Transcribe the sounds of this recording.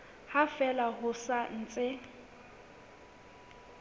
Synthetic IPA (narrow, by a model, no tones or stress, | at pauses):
hafɛlaɦʊsan̩ːt͡sʼɪ